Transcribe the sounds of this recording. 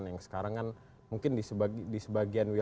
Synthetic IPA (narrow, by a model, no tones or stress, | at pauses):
njaŋsə̥kaɾaŋkan | muŋkɪnibadisəbaɡianwi